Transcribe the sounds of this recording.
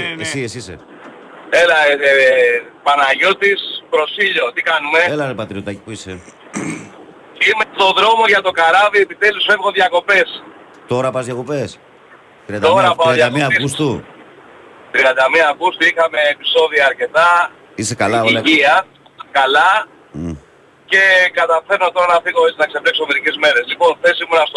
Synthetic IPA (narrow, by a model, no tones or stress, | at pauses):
esiesisḛ | elɐ | pɐnɐʝo̞t̪ispɾo̞siʎo̞t̪ikɐnume̞elɐɾepɐt̪ɾiot̪aci̥puise | imet̪o̞ðɾo̞mo̞ʝɐt̪o̞kɐɾɐviepit̪elusfe̞vɣonðʝɐko̞pe̞s | t̪o̞ɾɐpɐzðjɐko̞pes | t̪ɾiɐno̞ɾɐpɐoj̪ɐmmiɐkust̪u | t̪ɾiɐnd̪ɐmiɐːkust̪uixɐme̞ːpi̥so̞ðiɐːɾce̞t̪ɐ | isekɐlɐolɐiɐs | kɐlɐ | ce̞kɐt̪ɐfe̞ɾnot̪o̞ɾɐnɐθiɣo̞et͡sinɐkseplekso̞me̞ɾicezme̞ɾe̞zlipo̞nθe̞simunɐst̪